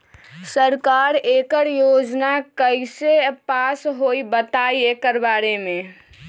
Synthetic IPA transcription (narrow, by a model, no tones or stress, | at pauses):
səɾkaːɾeːkəɾjoːd͡ʒnakəɪsepaːsɦoibət̪aiekəɾbaːɾemẽ